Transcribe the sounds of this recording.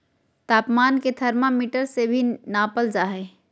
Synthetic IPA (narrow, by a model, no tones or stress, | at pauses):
t̪aːpmaːnket̪ʰəɾmamiːʈəɾsebʱinaːpəld͡ʒaːɦɛː